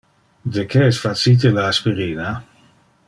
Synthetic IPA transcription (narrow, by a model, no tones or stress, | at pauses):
d̪ekeɛsfasit̪̬elaːspiɾiːna